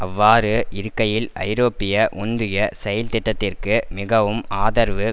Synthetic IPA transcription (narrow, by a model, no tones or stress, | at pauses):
ɐʋːaːɾɯʔɪɾɯkːɐjɪlɐ̰ɪɾoːpːɪjɐʔɔnd̪ɯjɐsɛjɐlt̪ɪʈːɐt̪ːɪrkɯmɪɣɐʋɯmaːðɐɾʋɯ